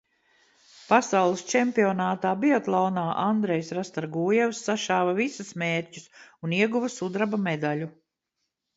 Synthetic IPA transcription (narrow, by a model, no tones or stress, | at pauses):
pasawlˠist͡ʃɛmpiɔnaːt̪aːbiɔt̪lˠɔːnaːʔand̪ɾɛjsɾast̪aɾɡuːjɛwsːaʃaːvavisusmeːɾʲcu̥suniɛɡuvɐsud̪ɾabamed̪alu